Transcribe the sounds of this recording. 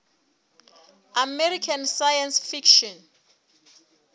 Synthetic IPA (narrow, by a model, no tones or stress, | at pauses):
amɛɾikʰansajansfikʃɔn